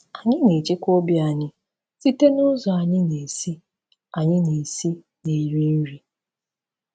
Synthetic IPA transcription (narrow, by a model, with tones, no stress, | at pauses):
a˨ɲɪ˦ne˨t͡ʃe˦kʷo˦bi˦a˨ɲɪ˦ | si˦te˦nʊ˦zɔ˨a˨ɲɪ˦ne˨si˦ | a˨ɲɪ˦ne˨si˦ | ne˨ji˦n̩˦ɾi˨